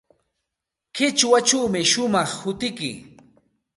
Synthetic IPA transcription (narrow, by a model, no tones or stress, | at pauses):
kɪt͡ʃwat͡ʃuːmɪʃʊmɑχhʊt̪ɪkɪ̰